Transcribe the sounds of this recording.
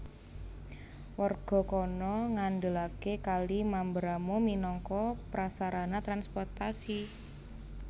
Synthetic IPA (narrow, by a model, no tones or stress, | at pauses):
warɡ̥ɔ̤kɔnɔŋanɖəlakekalimambɾamominɔŋkɔpɾasaɾanat̪ɾanspɔrt̪asi